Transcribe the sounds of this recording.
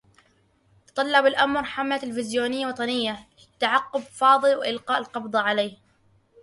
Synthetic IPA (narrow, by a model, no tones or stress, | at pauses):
t̪t̪ˤɑlːɑbɪlʔamɾˤħamlalfɪzjuːnɪjːawɑt̪ˤɑnɪjːa | ɪt̪ːaʕɑqːʊbfɑːðˤɨlwʔɪlqɑːʔɪlqɑbd̪ˤɑʕalaːh